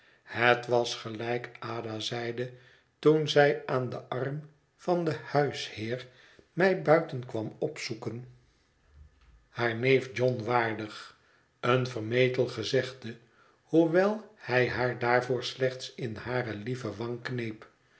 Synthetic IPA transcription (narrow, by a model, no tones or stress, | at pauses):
hətʋɑsχəlɛjkaːdazɛjdə | tunzɛjaːndəʔɑrm | fɑnd̪əhœɥshɪːɹ | mɛjbœɥtənkʋɑmɔpsukən | haːɹnejfd͡ʒɔnʋaːɹdəχ | ənvərmejtəlˠχəzɛχdə | huʋɛlˠhɛjɦaːɹdaːɹvʊːɹslɛχt̪sɪnhaːɾəlivəʋɑŋknejp